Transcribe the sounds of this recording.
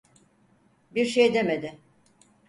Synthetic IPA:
biɾʃejd̪e̞med̪ɪ

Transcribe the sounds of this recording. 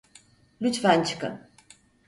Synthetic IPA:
lʲyt͡ʃfænt͡ʃʰɨ̥kɯ̰n

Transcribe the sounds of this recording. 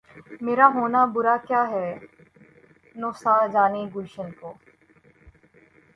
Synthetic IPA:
meːɾaɦoːnabʊɾakjaːɦɛː | noːsaːd͡ʒaːneɡʊlʃənkoː

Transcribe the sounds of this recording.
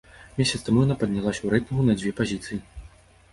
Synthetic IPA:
mʲesʲɐt̪st̪amujɐnapɐd̪̚ʲnʲalˠasʲɐwɾɛt̪mɣunɐd͡zʲvʲɛpazʲit̪sɨji

